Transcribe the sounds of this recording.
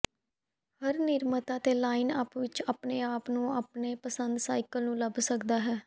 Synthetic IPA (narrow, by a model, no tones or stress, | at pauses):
həɾnɪɾmət̪ãːt̪eːlaːɪnaːpʋɪt͡ʃaːpneːaːpnũːaːpneːpəsənd̪saːɪkəlnũːləbsəkd̪aːɦɛː